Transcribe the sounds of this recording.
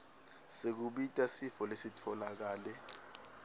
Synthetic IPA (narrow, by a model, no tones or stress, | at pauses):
sek̬uɓitʼasifɔlesitʰɔlak̬aːlɛ